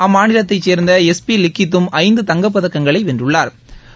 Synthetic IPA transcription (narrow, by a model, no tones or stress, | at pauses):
ɐmːaːnɪlɐt̪ːɐɪt͡ʃːeːɾnd̪ɐɛspilɪkːɪt̪̬ːɯmɐɪnd̪ɯt̪ɐŋɡɐp̬ːɐðɐkːɐŋɡɐɭɐɪʋɛndrɯɭːaːɾ